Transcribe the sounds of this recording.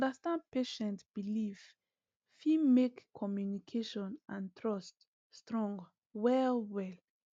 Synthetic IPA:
dəstãnd̚peʃɛ̃ntb̥iliv | fimekʰːɔmjunikʰeʃɔ̃nʔãntʰɹʌst | stɹɔ̃ŋɡ | wɛlwɛl

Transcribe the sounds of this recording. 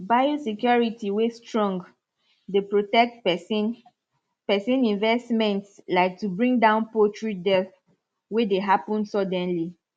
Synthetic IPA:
bajosikjɔɹitiwestɹɔ̃ŋɡ | depɹotɛk̚tpn | pɛsĩnĩnvɛstmɛ̃ntslaɪk̚tubɹĩŋdãʊ̃npɔtɹidɛθ | wedeɦapɔ̃nsɔdɛ̃nli

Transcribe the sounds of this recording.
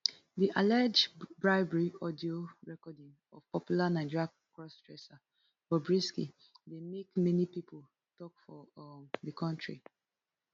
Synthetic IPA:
diʔalad͡ʒbɹaɪbɛɹiɔdioɹɛkɔdĩŋ | ɔv̥pɔpjulanaɪd͡ʒiɹa | kɹɔstɹɛsa | b̥ɔbɹiskḭ | demekmɛnipipʰol | tɔkfɔðikʰɔ̃ntʰɹḭ

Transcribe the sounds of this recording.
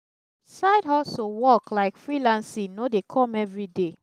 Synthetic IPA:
saɪdɔsowɔklaɪkfɹilãnsinodekʰɔ̃mɛvɹide

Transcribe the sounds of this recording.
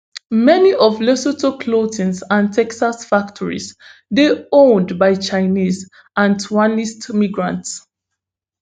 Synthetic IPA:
mɛniʔɔvlɛsotʰokʰlotʰĩnsãntʰɛksasfaktʰɔɹḭzdeõndbaɪt͡ʃaɪniz | ãntʰuanistmiɡɹãnts

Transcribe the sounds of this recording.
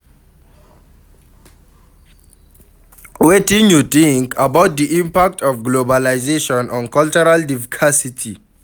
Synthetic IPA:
wetĩnjut̪ĩŋkʰabawt̚d̪iʔĩmpak̚tʰɔfɡlobalazeʃɔ̃nʔɔ̃nkalt͡ʃɔɹaldifkʰasitʰi

